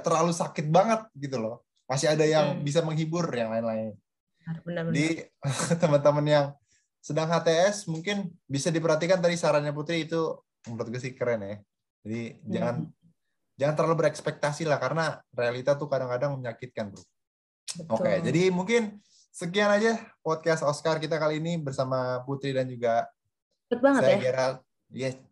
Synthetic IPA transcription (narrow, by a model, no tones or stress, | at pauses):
t̪əɾlalusakɪt̪̚baŋət̪̚ɡit̪ulɔh | masɪɦadajaŋbis̬aməŋɦibʊrjaŋlaɪnlaɪn | adi | t̪əmənt̪əmənjaŋ | sədaŋɦat̪eɛsmuŋkɪnbisadipəɾɦhat̪̬ikant̪adisaɾaɲap̬ut̪ɾiːt̪u | mɾot̪̚ɡas̬ikəɾɛnjɛ | d͡ʒadid͡ʒaŋan | d͡ʒaŋant̪əlalubəɾɛkspɛk̚t̪asilahkaɾənarealit̪at̪ukadaŋkadaŋməɲakɪt̪̚kant̪ʊ | bəoked͡ʒadimuŋkɪn | sək̬ianad͡ʒapɔt̪̚kast̪ɔskarkit̪̬akaliːnibərsamaput̪ɾidand͡ʒuɡa | t̪̚baŋsətaaaɡeɾal | jɛ